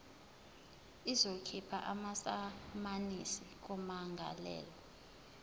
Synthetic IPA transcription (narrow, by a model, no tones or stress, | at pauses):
izokʰipʰa̰ʔamasamanisik̬umaŋʱa̰lɛ̰ːlɔ